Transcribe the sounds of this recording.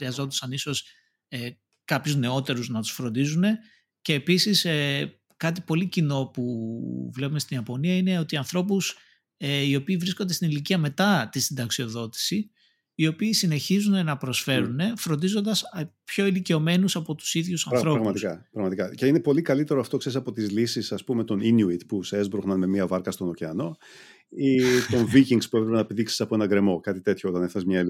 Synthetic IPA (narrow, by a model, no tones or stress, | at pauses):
ɾiɐzo̞nd̪ɐsɐniso̞s | e | kɐpçuzne̞ot̪e̞ɾuznɐt̪u̥sfɾo̞nd̪izune̞ | ce̞ːpisise | kɐt̪̬ipo̞licino̞puvle̞pumest̪iniɐpo̞niɐine̞o̞t̪iɐnθɾo̞pus | eio̞piːvɾiskond̪est̪iniliciɐme̞t̪ɐt̪isind̪ɐksio̞ðo̞t̪i̥siː | o̞piːsine̞çizune̞nɐpɾo̞sfe̞ɾune̞fɾond̪izo̞nd̪ɐspço̞ilice̞o̞me̞nusɐpo̞t̪u̥siðʝusɐnθɾo̞ɾɐɣmɐt̪ikɐpɾɐɣmɐt̪ikɐce̞inepo̞likɐlit̪e̞ɾoɐft̪o̞ksesɐpo̞t̪izlisisɐspume̞t̪o̞ninjuit̪puseezbɾuɣnɐnme̞miɐvɐɾkɐst̪o̞noceɐno̞ | it̪o̞ɱviciŋspuepɾepenɐepiðiksi̥sɐpo̞e̞nɐɡɾe̞mo̞kɐt̪it̪e̞t̪ʰçoot̪ɐnefθɐsmɲɐil